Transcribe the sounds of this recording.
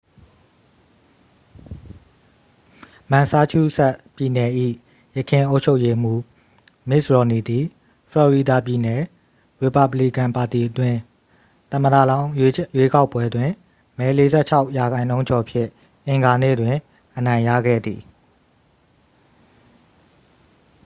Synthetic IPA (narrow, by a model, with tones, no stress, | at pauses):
mã˨sa˦t͡ɕʰu˦˨sɛ˦ʔpji˨nɛ˨ʔḭ˦˨ | jə˨kʰɪ̃˨ʔo˦ʊt͡ɕʰo˦ʊʔje˦m̥u˦˨ | mɪ˦ʔsɹɔ˨ni˨d̪i˨ | fʰlɔ˨ɹi˨da˨pji˨nɛ˨ | ɹe˨pa˦˨bli˦kã˨mpa˨ti˨ʔətwɪ̃˨ | t̪ə̃˨məda̰˦˨lã˦ʊ̃jwe˦ka˦ʊpːwɛ˦dwɪ̃˨ | mɛ˨˦le˦zɛ̰˦˨t͡ɕʰa˦ʊʔja˨ɡã˨ɪ̃nõ˦ʊ̃ɲt͡ɕɔ˨pʰjɪ̰̃˦˨ | ʔɪ̃˨ŋɡa˨nḛ˦˨dwɪ̃˨ | ʔənã˨ɪ̃ja̰˦˨ɡɛ̰˦˨d̪ðḭ˨